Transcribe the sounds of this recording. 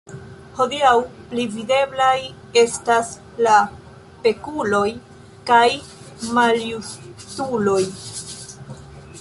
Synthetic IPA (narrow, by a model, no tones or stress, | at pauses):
ho̞diawplivide̞blaj | e̞stas | la | pe̞kulo̞j | kaj | maljustulo̞j